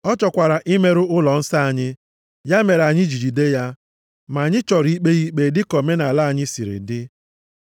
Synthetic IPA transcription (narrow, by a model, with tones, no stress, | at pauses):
ɔ˦t͡ʃɔ˨kʷa˨ɾa˨ʔɪ˦me˦ɾʊ˦ʊ˦lɔ˨n̩˦sa˦a˨ɲɪ˦ | ja˦me˨ɾa˨ɲɪ˦d͡ʒi˨d͡ʒi˨de˦ja˦ | ma˨a˨ɲɪ˦t͡ʃɔ˨ɾi˦k͡pe˦ɣi˦k͡pe˦dɪ˦kɔ˨me˦na˨la˦˨ɲɪ˦si˨ɾɪ̰˨dɪ˦